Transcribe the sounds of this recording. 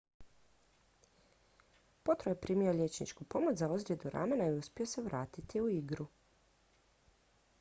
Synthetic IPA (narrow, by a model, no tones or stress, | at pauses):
po̞t̪ɾojepɾʔiːmio̞ʎʲe̞t͡ʃnḭt͡ʃkupo̞mo̞t͡ʃzaozɾje̞d̪uɾa̰menaiuspʲio̞seʋɾaːt̪it̪iuiɡɾu